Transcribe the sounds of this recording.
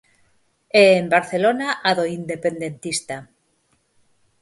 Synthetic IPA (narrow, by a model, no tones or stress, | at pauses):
eːmbaɾθe̞lonaʔaðoind̪e̞pend̪ent̪ist̪a